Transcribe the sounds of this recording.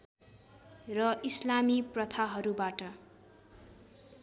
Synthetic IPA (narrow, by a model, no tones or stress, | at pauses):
rʌislamiprʌt̪ʰaɦʌɾubaʈʌ